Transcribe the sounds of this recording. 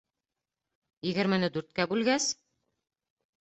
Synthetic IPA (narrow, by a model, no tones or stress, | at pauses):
jɘ̆ɡɘ̆ɾmɘ̆nɘd̪ʉɾt̪̚kæbʉlɡæs